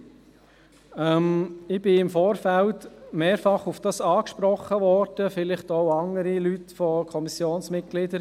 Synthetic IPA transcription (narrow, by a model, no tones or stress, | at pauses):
ɛmɪb̥ɪɪmfoːɾfæltmeːɾfɑχufd̥ɑsɑːkʃpɾɔχəʋɔɾd̥əfɪlɪχtoʊɑŋəɾilytfɔkʰɔmisjoːnsmɪt̚ɡ̥lɪdəɾ